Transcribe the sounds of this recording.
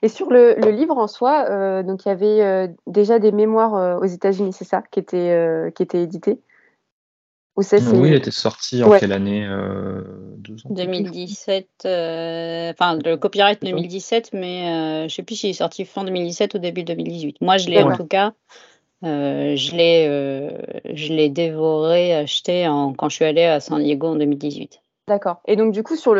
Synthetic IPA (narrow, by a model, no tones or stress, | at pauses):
esyʁlələlivʁɑ̃swaød̪ɔ̃kjavɛød̪eʒad̪ememwaʁøozet̪azynisɛsakʲiet̪ʰɛøkʲiet̪ɛed̪it̪e | usɛwilet̪ɛsɔʁt̪ʰiɑ̃wɛɛlaneø̰ | d̪uzd̪əmild̪isɛt̪øɑ̃fɛ̃ləkɔpiʁajt̪̚d̪əmild̪isɛt̪mɛøʒəsɛplysilɛsɔʁt̪ʰifɛ̃d̪əmild̪isɛt̪od̪ebydd̪əmild̪izɥit̪mwaʒəlɛɑ̃t̪uka | øʒəlɛø | ʒəlɛd̪evɔʁeaʃt̪eɑ̃kɑ̃əʃɥialeasɑ̃d̪jeɡoɑ̃d̪əmild̪izɥit̪ | d̪akɔːʁed̪ɔ̃k̚d̪ykusyʁl